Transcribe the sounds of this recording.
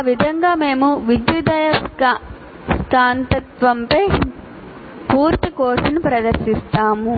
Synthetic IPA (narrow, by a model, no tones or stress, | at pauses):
aːʋid̪ʱɐŋɡaːme̞ːmuʋid̪jud̪ɐjɐ | skaːnt̪ɐt̪ʋɐmpɐj | puːɾt̪ikoːʂɐnupɾɐd̪ɐɾʃist̪aːmu